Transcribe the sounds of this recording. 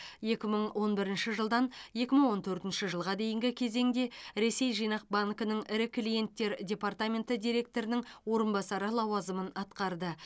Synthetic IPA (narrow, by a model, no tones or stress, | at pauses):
je̞kʲɪməɴwʔo̞nbɪɾɪnʃɪʒəlˠd̪ɑnje̞kʲɪməɴwo̞nt̪ʰɵɾt̪ɪnʃɪʒəlˠʁɑd̪e̞jɪŋɡʲɪkʲʰe̞ze̞ŋd̪e̞ɾe̞se̞jʒijnɑq̚baŋkənəɴɪɾɪkʰlʲije̞nt̪ːe̞ɾdʲe̞part̪amʲe̞nt̪əd̪ʲijɾe̞k̚t̪o̞ɾɪnɪŋwo̞ɾənbɑsɑɾəlˠɑwɑzəmənɑt̪qɑɾd̪ə